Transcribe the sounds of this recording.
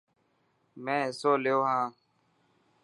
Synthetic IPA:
mɛ̃ːɪsoːlejoːɦãː

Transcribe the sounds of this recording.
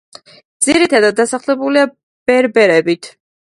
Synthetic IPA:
d̪z̥iɾit̪ʰad̪at̪̚ːasaχlɛbulia | b̥ɛɾbɛɾɛbit̪ʰ

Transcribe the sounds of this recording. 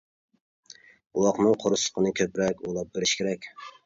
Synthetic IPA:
uwɑqnɨŋqʰoɾʊsə̥qʰənɨkʲʰøpɾɛkʲolˠɑp̚beɾɪʃkʲʰeɾɛkʲ

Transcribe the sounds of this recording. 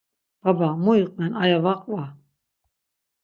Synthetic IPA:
b̥abamuiqʼnɛnajavaqʼva

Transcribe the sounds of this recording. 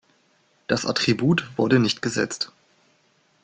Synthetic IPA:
d̥asʔa̰tʁ̥ibuːtv̥ʊɐɾənɪçtɡ̥əzɛ̰t͡st

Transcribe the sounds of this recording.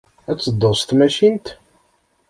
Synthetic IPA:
æt͡sːəd̪ːost̪mæʃint̪

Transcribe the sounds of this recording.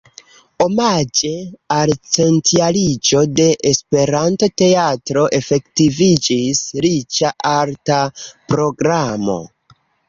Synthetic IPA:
o̞mad͡ʒe̞alt͡se̞ntialid͡ʒo̞de̞ʔespe̞ɾantote̞atɾo̞ʔe̞fe̞ktivid͡ʒisɾit͡ʃaʔaɾtapɾo̞ɡɾamo̞̰

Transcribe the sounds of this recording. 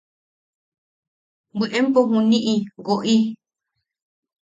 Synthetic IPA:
bɨʔempoɦũnĩʔiɡoʔi

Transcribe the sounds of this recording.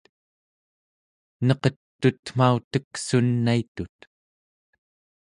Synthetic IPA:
nʌqʌt̪ːut̪m̥aut̪əksunːait̪ut̪

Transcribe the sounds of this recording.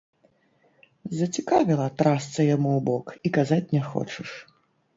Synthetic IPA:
zɐt͡sʲikavʲilˠɐt̪ɾast̪sɐjamuwbɔkikazat͡sʲnʲɛxɔ̰t͡ʂɨʂ

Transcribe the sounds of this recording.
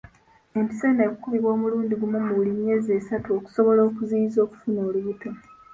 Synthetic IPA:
empi̥seneːkukuβiβwoːmuluːndiɡumomuβulimje̞ːze̞ːsatuo̞ku̥so̞βo̞lo̞ːkuziizo̞ːku̥funo̞ːluβuto

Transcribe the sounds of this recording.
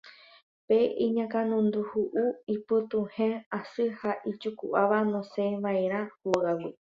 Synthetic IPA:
peʔiɲãkãnũnd̪uhuʔuipɨt̪ũhẽasɨhaʔit͡ʃukuʔaʋanõsẽʋaẽɾ̃ãhoɣawi

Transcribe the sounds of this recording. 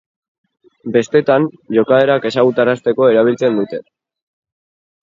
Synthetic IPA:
be̞st̪e̞t̪anʝo̞kaeɾake̞saɣut̪arast̪e̞ko̞e̞ɾaβ̞ilt͡se̞nd̪ut̪e̞

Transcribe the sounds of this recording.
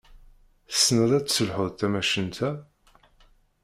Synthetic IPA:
əsnəðˤæt͡sːsəlħʊðˤt̪æmæʃənt̪ʰæ

